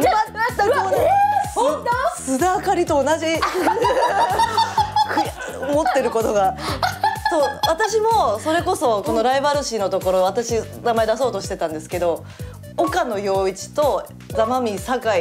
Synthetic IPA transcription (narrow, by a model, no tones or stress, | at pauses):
aːa | ssɨd̪akaɾʲit̪o̞ːnaʑi | kɯ | mo̞t̪ːe̞ɾɯ̟ko̞t̪o̞ɡa | soːβat̪aɕimo̞so̞ɾe̞ko̞so̞ko̞no̞ɾaibaɾɯ̟ɕiːno̞t̪o̞ko̞ɾo̞β̞at̪aɕi | namae̞d̪aso̞ːt̪o̞ɕi̥t̪e̞t̪ãnd̪e̞sɨ̥ke̞d̪o̞ | okano̞jo̞ːit͡ɕi̥t̪o̞ | d͡zamamʲisakai